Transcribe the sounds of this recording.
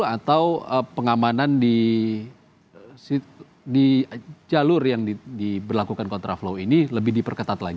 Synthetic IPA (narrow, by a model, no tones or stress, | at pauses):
at̪awəpəŋamanandi | si | did͡ʒalʊrjaŋdidibərlakukankɔnt̪ɾaflowiniləbɪhdipərkət̪at̪laɡ